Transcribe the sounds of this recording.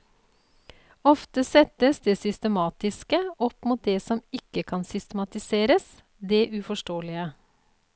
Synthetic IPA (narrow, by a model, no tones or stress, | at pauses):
ɔft̪əsɛt̪əsd̪eːsʏst̪əmɑːt̪ɪskəɔpmuːt̪̚d̪eːsɔmɪkːəkʰɑnsʏst̪əmɑt̪ɪseːɾəs | d̪eːʔʉfɔʂʈoːlɪə